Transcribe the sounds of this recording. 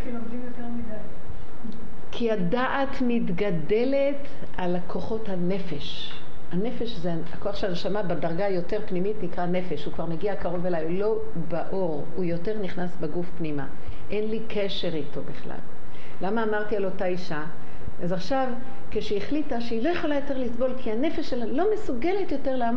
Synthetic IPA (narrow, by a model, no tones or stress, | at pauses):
omdimjot̪eʁmid̪aj | kʰiadaʔatmitɡade̞le̞t | alakʰo̞χo̞thane̞fe̞ʃ | ane̞fe̞ʃzeaako̞aχʃeanʃamabedaʁɡajo̞te̞ʁpnimitnikʁane̞fe̞ʃhukvaʁmeɡiakaʁo̞velajlo̞ | baʔo̞ʁ | ujo̞te̞ʁniχnasbeɡufpnima̰ | ʔenlikʰe̞ʃe̞ʁitʰo̞biχla̰lː | amaːmaʁtialo̞taiʃa | azaχʃav | keʃeːχlitaʃeilo̞jeχo̞lajo̞te̞ʁlisbo̞lkʰiane̞fe̞ʃelalo̞mesuɡe̞le̞tjo̞te̞ʁlam